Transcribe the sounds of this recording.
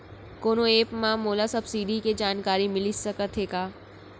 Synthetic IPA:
koːnoeːpmãːmoːlasɐbsiːɖiked͡ʒaːnkaːɾimɪlisɐkət̪ʰeːkaː

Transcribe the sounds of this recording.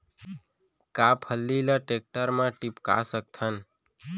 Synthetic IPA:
kapʰəlːiləʈek̚ʈəɾmãʈipka̰sək̚t̪ʰən

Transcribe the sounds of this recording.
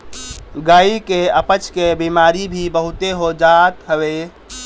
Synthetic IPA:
ɡaːikeəpət͡ʃkebimaːɾibʱibəɦut̪eɦod͡ʒat̪ɦəʋe

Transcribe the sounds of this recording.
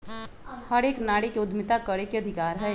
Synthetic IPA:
hɐɾeːknaːɽekeʊd̪ʱmɪt̪akəɽekeɐd̪ʱɪkaːɾɦɛː

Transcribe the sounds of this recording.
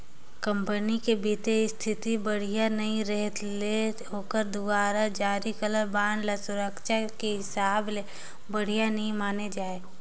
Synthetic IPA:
kə̃mpənikebiːt̪eɪst̪ʰɪt̪ibəɽ̤ijanɐɦĩɾəɦət̪leɦoːkəɾd̪ʊbaːɾad͡ʒaːɾikələɾbaːnlasʊɾəkʃakeɦɪsaːble | bəɽ̤ijanɐɦĩmaːned͡ʒaːeː

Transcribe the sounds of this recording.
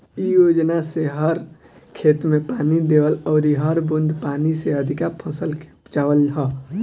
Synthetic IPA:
ijod͡ʒnaseɦəɾ | kʰet̪mepanid̪eəlɔːɾiɦəɾbund̪ʱpaniseəd̪ʱikapʰəsəlke̥t͡ʃaʋəlɦə

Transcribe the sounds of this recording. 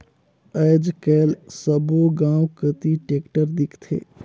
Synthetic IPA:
əd͡ʒkəlsəbuɡãwkət̪iʈekʈəɾd̪ikʰt̪ʰḛ

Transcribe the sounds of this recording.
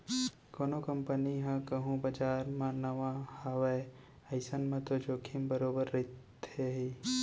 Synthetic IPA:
koːnokɐmpəniɦãkɐɦũbɐd͡ʒaːɾmãnɐʋãhaʋe | ɐɪsənmãt̪od͡ʒoːkʰimbəɾoːbəɾːɪt̪ | ɦeɦi

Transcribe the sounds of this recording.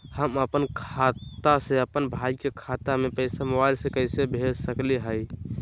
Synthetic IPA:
həməpənkʰat̪asẽəpənbʱaikekʰat̪amepəɪsamobajlsẽkəɪsebʱed͡ʒsəkliɦəj

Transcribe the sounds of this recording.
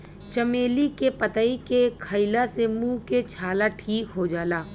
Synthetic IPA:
t͡ʃɐmeːlikepət̪əikekʰəɪlasemũːket͡ʃʰaːlaʈʰiːkɦod͡ʒaːlaː

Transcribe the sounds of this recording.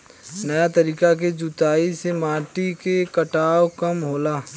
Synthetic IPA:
nɐjat̪ɐɾiːkak̬ed͡ʒʊt̪aːisemaːʈikekɐʈaːwkɐmɦoːlaː

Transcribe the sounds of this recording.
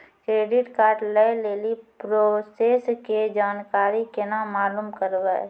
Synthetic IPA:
kɾeːɖɪʈkaːɾɖlɛleːlipɾosesked͡ʒaːnkaːɾikenamaːluːmkəɾwa

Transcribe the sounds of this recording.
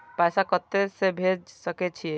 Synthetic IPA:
pɛːsakəɾt̪esebʱed͡ʒsəket͡ʃʰie

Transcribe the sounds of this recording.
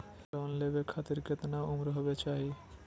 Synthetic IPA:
d͡ʒɛmonlebekʰat̪iɾket̪naumɾɦɔbet͡ʃaɦi

